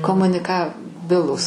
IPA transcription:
koːmʊnʲɪˈkɑːˌbʲɪlˠuːs

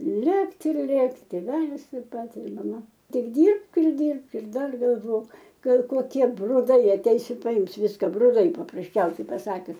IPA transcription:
ˈlʲeːktʲ ɪr ˈlʲeːktʲɪ tʲeːˈʋʲæːlʲɪs tɐɪp ˈpɐt ɪr mɐˈmɐ ˈtʲɪk ˈdʲiːrpk ɪr ˈdʲiːrpk ɪr ˈdɐr ɡɐlˠˈʋoːk ˈɡɐlˠ koːˈkʲiɛ brʊˈdɐɪ ɐˈtʲɛɪs ɪ pɐˈɪms ˈʋʲɪskɐ brʊˈdɐɪ pɐprɐsʲˈt͡ʃʲɛʊsʲɛɪ pɐˈsɑːkʲʊs

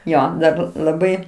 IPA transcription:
ˈjoː ˈdɐr lˠɐˈbɐɪ

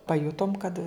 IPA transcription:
pɐˈjʊtoːm kɐt

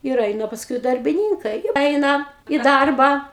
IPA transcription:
ɪr ˈɛɪnɐ pɐsˈkʊɪ dɐrʲbʲɪˈnʲiːŋkɐɪ ˈɛɪnɐ iː ˈdɐrbɑː

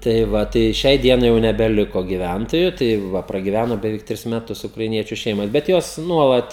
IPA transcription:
tɐɪ ˈʋɐ tɐɪ ˈʃʲɛɪ ˈdʲiɛnɐɪ jɛʊ nʲɛbʲɛˈlʲɪkoː ɡʲiːˈʋʲæntoːjʊ tɐɪ ˈʋɐ prɐɡʲɪˈʋʲænoː bʲɛˈʋʲɛɪk ˈtʲrʲɪs mʲɛˈtʊs ʊkrɐɪˈnʲiɛt͡ʃʲʊ ˈʃʲɛɪmoːs bʲɛt ˈjoːs ˈnuɔlˠɐt

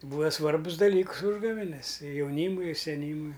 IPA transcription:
ˈbuːɐ ˈsʋɐrbʊs dɐˈlʲiːks ˈuːʒɡɐʋʲɛnʲɛs ɪ jɛʊˈnʲiːmʊɪ ɪ sʲɛˈnʲiːmʊɪ

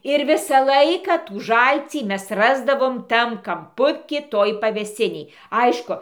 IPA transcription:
ɪr ˈʋʲɪsɑː ˈlˠɐɪkɑː tuː ˈʒɐlʲt͡sʲiː ˈmʲɛs ˈrɑːzdɐʋoːm ˈtɐm kɐmˈpʊkʲiː ˈtoːj pɐʋʲeːˈsʲɪnʲeːj ˈɐɪʃkʊ

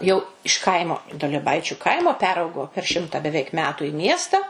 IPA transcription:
jɛʊ ɪʃ ˈkɐɪmoː duɔlʲiɛˈbɐɪt͡ʃʲʊ ˈkɐɪmoː ˈpʲæːrɐʊɡoː pʲɛr ˈʃʲɪmtɐ bʲɛˈʋʲɛɪk ˈmʲæːtʊ ɪ ˈmʲiɛstɐ

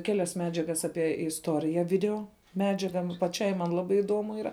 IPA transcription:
ˈkʲæːlʲɛs ˈmʲæːd͡ʒʲɛɡɐs ˈɑːpʲiɛ ɪsˈtoːrʲɪjɛ ˈʋʲɪdʲɛoː ˈmʲæːd͡ʒʲɛɡɐ nʊ pɐˈt͡ʃʲɛɪ mɐn ˈlˠɑːbɐɪ ɪˈduɔmʊ ˈiːrɐ

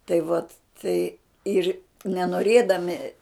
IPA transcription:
tɐɪ ˈʋɐt ˈtɐɪ ˈɪr nʲɛnoːˈrʲeːdɐmʲɪ

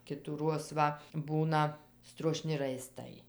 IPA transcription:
kʲɪtuːˈruɔs ˈʋɐ ˈbuːnɐ struɔˈʃʲnʲɪ rɐɪˈstɐɪ

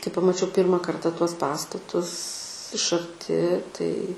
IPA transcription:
kɐɪ pɐmɐˈt͡ʃʲɛʊ ˈpʲiːrmɐ ˈkɐrtɐ ˈtuɔs ˈpɑːstɐtʊs ɪʃ ɐrʲˈtʲɪ tɐɪ

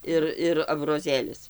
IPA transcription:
ˈɪr ɪr ɐbroːˈzʲeːlʲɪs

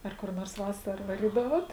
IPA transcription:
ˈɐr kʊr noːrs ˈʋɑːsɐrɐ ʋɐˈrʲiːdɐʋoːt

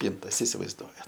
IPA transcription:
ˈpʲiːntɐs ɪsʲɪʋɐɪzˈduɔjɛt

